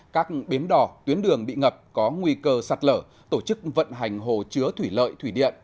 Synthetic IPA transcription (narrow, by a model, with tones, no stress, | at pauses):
kaː˦˥k̚ɓi˨˦əmɗɔ˧˩t̪wi˨˦ənɗɨ˨˩əŋɓḭ˧˨ŋə˨˩p̚kɔ˨˦ŋwi˧kəː˧sa˧˩t̚ləː˧˩ | t̪o˧˩t͡ɕɨ˦˥k̚və̰˧˨nɦa˨˩jŋ̟ɦo˨˩t͡ɕɨ˨˦ət̪ʰwi˧˩lə̰ː˧˨jt̪ʰwi˧˩ɗḭ˧˨ənʔ